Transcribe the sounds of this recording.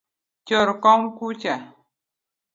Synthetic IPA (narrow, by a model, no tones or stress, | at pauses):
t͡ʃɔɾkɔŋkut͡ʃa